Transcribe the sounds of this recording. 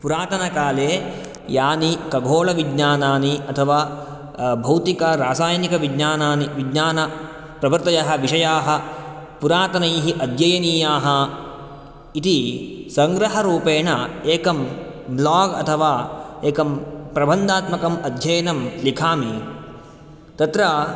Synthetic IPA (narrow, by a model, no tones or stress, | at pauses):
puɾaːt̪ɐnɐkaːleː | jaːnikɐɡʱoːɭɐʋid̪ɲaːnaːniɐt̪ʰɐʋaː | bʱɐwt̪ikɐɾaːsaːjɐnikɐʋid̪ɲaːnaːniʋidɲaːnɐ | pɾɐbɐɾt̪ɐjaɦɐʋiʂɐjaːɦɐpuɾaːt̪ɐnɐjɦiʔɐd̪ʱjɐjɐniːjaːɦɐ | it̪isɐŋɡɾɐɦɐɾuːpeːɳɐeːkɐm | blaːɡɐ̰t̪ʰɐʋaːeːkɐmpɾɐbʱɐnd̪aːt̪mɐkɐmɐd̪ʱjɐjɐnɐmlikʰaːmi | t̪ɐt̪ɾɐ